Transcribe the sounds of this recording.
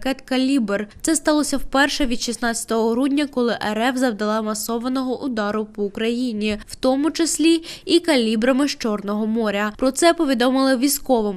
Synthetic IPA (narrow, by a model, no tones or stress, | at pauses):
kɛt̪kɐlʲibert̪sɛst̪ɑlˠɔsʲɐwpɛrʃɛʋʲid̪ʃisnɑt͡sʲɐ̥t̪ɔɦɔɦɾudʲnʲɐkɔlˠɪʔɛɾɛfzɐwd̪ɐlˠɑmɐsɔʋɐnɔɦɔʔʊd̪ɑɾʊpɔːkɾɐjinʲiw̥t̪ɔmʊt͡ʃɐsʲlʲiikɐlʲibɾɐmɪʃt͡ʃɔrnɔɦɔmɔɾʲɐpɾɔt̪sɛpɔʋʲid̪ɔmɪlˠɪʋʲisʲkɔʋɪm